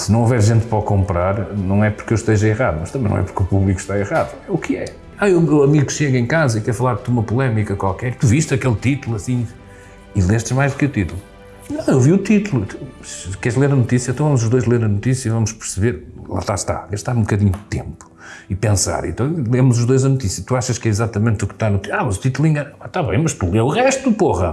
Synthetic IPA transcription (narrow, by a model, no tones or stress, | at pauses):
sɨnɐ̃w̃ovɛɾʒẽnt̪̚pɾɐkõmpɾaɾnɐ̃w̃ɛpuɾkewʃt̪eʒɐiʁaðumɐʃt̪ɐmẽnɐ̰̃ɛpuɾkupuβlˠiku̥ʃt̪aeʁaðuɛukʰɨɛ | aewewɐmiɣukʃeɣɐẽkazɐikɛɾfɐlˠaɾðt̪uumɐpulˠɛmikɐkwalˠkɛɾt̪uviʃt̪ɐkelˠt̪it̪ulˠuɐsĩ | ilˠeʃt̪ʒmajzðukut̪it̪ulˠu | nɐ̃w̃ewviut̪it̪ulˠut̪u | skɛɾʒlˠeɾɐnut̪isjɐ̃t̪ɐ̃vɐmuzuʒðojʒlˠeɾɐnut̪isjɐivɐmuʃpɨɾsɨβeɾlˠa̰ʃt̪a̰ʃt̪a̰ɣɐʃt̪aɾũbukɐðiɲud̪t̪ẽmpu̥ | ipẽsa̰ɾḛ̃nt̪ɐ̃w̃lˠemuzuʒðojzɐnut̪isjɐt̪uaʃɐʃkɛizat̪ɐmẽnt̪ukʃt̪anut̪iamɐzut̪it̪ulˠiɲɐɐ̃aʃt̪aβɐ̰̃j̃mɐʃt̪ulˠeɾuʁɛʃt̪upoʁɐ